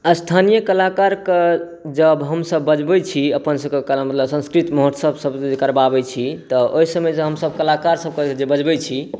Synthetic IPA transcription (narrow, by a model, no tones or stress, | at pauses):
əst̪ʰanijəkəlakaɾke | d͡ʒəbɦəmsəbːəd͡ʒbɛt͡ʃʰiəpənsəbkekəlmət̪ləbsə̃nskɾit̪moɦət̪səbsəbekəɾbabɛt͡ʃʰit̪ɔoɦisəməjsə̃ɦəmsəbkəlakaɾsəb̚ked͡ʒebəd͡ʒbɛt͡ʃʰi